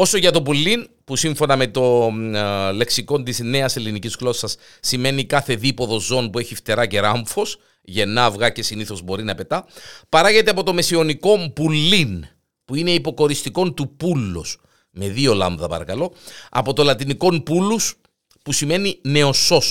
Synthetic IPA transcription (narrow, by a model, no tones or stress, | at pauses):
o̞so̞ʝɐt̪o̞pulːin | pusiɱfo̞nɐme̞t̪o̞ | le̞ksiko̞nt̪izne̞ɐse̞lːinicisɣlo̞sɐsː | ime̞nikɐθe̞ðipo̞ðo̞zo̞npue̞çift̪e̞ɾɐce̞ɾɐɱfo̞s | ʝe̞nːɐvɣɐce̞siniθo̞zbo̞ɾinɐpe̞t̪ɐpɐɾɐʝe̞t̪eɐp̬o̞t̪o̞mesio̞niko̞mpulːin | puine̞ipo̞ko̞ɾist̪iko̞nt̪upulːus | me̞ðio̞lɐ̰ɱðɐpɐ̰ɾɐkɐlo̞ɐ̰po̞t̪o̞lɐt̪iniko̞mpulːus | pusime̞nine̞o̞so̞s